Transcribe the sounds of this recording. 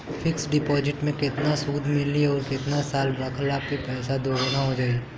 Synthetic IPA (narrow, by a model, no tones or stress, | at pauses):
fɪksɖɪpɔːd͡ʒɪʈmẽkɪt̪nasuːd̪ʱmɪlːiɔːɾkɪt̪nasaːlɾɐkʰlapepɛːsad̪oːɡnaɦod͡ʒaːe